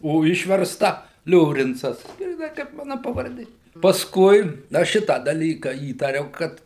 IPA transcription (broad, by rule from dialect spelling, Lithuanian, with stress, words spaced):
oː ˈɪʃʲʋʲɛrstɐ ˈlʲoːrʲɪnt͡sɐs ɡrʲiːˈnɐɪ kɐɪp ˈmɑːnɐ pɐʋɐrʲˈdʲeː pɐsˈkʊɪ ˈɐʃ ˈʃʲɪtɑː dɐˈlʲiːkɐ ˈiːtɐrʲɛʊ ˈkɐt